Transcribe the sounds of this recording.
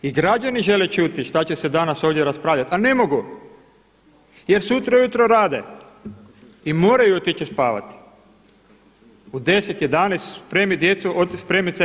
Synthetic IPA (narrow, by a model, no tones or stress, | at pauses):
iɡɾad͡ʒaniʒe̞let͡ʃut̪iʃt̪at͡ɕesed̪anaso̞ːʋd̪jeɾaspɾaːʎat̪ane̞mo̞ɡu | je̞ɾsut̪ɾaujut̪ɾoɾaːd̪e | imo̞ːɾajuot̪it͡ʃispa̰ːʋa̰t̪i̥ | ud̪e̞set̪jed̪anest̪spɾemid̪je̞t̪suʔot̪spɾemit̪se